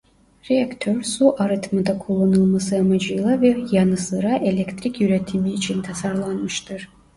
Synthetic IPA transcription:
ɾeakt̪ʰøɾsuʔaɾɯt̪ʰmɯd̪akʰulˠːanɯlˠmasɯamad͡ʒɯjlˠavɛjɑnɯsɯɾaʔelʲekt̪ɾikjyɾet̪ʰimiːt͡ʃʰint̪ʰasaɾlˠanmɯʃt̪ʰɯɾ̥

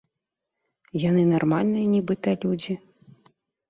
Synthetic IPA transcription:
janɨnarmalʲnɨjɐnʲɛbɨt̪ɐlʲud͡zʲi

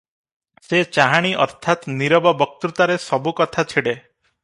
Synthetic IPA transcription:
set͡ʃaɦaɽ̃iʔɔɾt̪ʰat̪niɾɔbɔbɔk̚t̪ut̪aɾesɔbukɔt̪ʰat͡ʃʰiɽe

